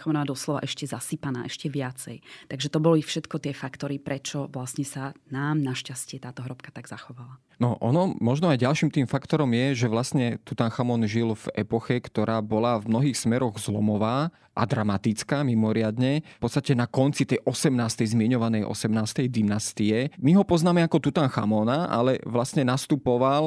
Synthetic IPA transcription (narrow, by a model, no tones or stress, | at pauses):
xamɔnaad̪ɔslɔʋa̰ʔɛʃcɛzasipana̰ːʔɛʃcɛʋɪat͡sɛ̰jt̪aɡʒɛt̪ɔbɔlifʃɛt̪kɔt̪ɪɛfakt̪ɔɾipɾɛt͡ʃɔʋlasɲɛsanaːmnaʃcascɪɛt̪aːt̪ɔɦɾɔpkḁt̪aɡz̥axɔʋala | nɔʔɔnɔmɔʒnɔajɟalʃiːmt̪iːmfakt̪ɔɾɔmjɛʒɛʋlasɲɛt̪ut̪anxamɔnʒilvɛpɔxɛkt̪ɔɾaːbɔlavmnɔɦiːxsmɛɾɔɣzlɔmɔʋaː | ʔa̰d̪ɾamat̪it͡skaːmimɔɾɪad̪ɲɛpɔt̪st̪acɛnakɔnt͡sit̪ɛjʔɔsɛmnaːst̪ɛjzmɪɛɲɔʋanɛjʔɔ̰sɛmnaːst̪ɛjd̪imnast̪iɛmiɦɔpɔznaːmɛakɔt̪ut̪aːnxa̰mɔnaa̰lɛʋlastɲɛnast̪upɔʋal